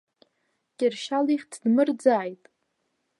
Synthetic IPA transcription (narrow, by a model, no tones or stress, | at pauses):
kʲʼɪrʃaliχʲtʰdmɨrd͡zaːjtʼ